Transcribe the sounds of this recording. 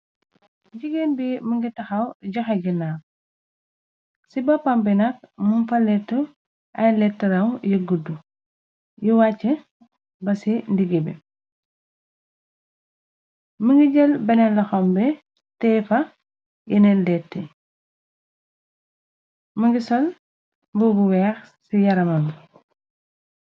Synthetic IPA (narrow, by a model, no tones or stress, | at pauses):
ɟiɡenbiməŋɡitɐxɐwɟɐxɐɡinaː | sibɐpɐmbɛnɐk̚munfɐlɛtːə | ʔɐjlɛtːɐɾɐwjiɡudu | jiwat͡ʃːə | bɐsindiɡebɛ̰ | məŋɡiɟɐlbɐnɛlɐxɔmbɛ | tɛfɐ | jinɛllɛtːɛ | mɐŋɡisɔl | bubuwɛːx | sijɐɾɐmɐm